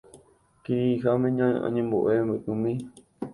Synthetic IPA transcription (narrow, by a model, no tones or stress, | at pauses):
kiiɦamẽɲãʔã̰ɲẽmboʔembɨkɨ̃mĩ